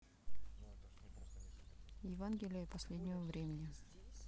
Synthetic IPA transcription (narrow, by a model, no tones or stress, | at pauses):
jɪvanɡʲɪlʲɪjəpɐsʲlʲed̪ʲnʲɪvəvɾʲemʲɪnʲɪ